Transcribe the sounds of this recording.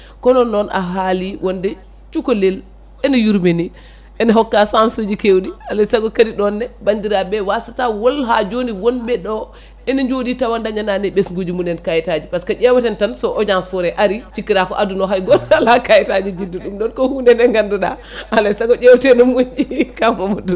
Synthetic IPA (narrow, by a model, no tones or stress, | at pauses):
kɔnɔnːɔnʔa̰ɦaliwʔɔndɛ | t͡ʃukɔlel | ɛnɔjuɾmeni | ʔɛnaɦɔkːasansud͡ʒikewdihalajsaɡɔkadiɗɔnːɛbandiɾabɛwasatawɔlɦad͡ʒoniwonbɛɗɔ | ɛnɔɲd͡ʒoditawandaɲananɛɓɛsŋɡud͡ʒimunɛnkajɛtad͡ʒipaskad͡ʒɛwatɛntansɔʔɔd͡ʒansfɔɾɛʔaɾit͡ʃikːiɾakɔ̰ʔadunɔɦajɡɔlalakajitad͡ʒid͡ʒiduɗumɗɔnkɔhundɛnɛŋɡanduɗa̰ | alajsaɡɔd͡ʒɛwtɛnɔmud͡ʒikafɔmudu